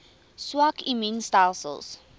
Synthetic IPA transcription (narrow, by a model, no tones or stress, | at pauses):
swakiminstajlˠsə̰lˠs